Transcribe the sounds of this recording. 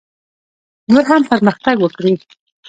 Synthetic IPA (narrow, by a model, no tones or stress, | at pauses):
noɾɦampəɾməxt̪aɡwəkɽi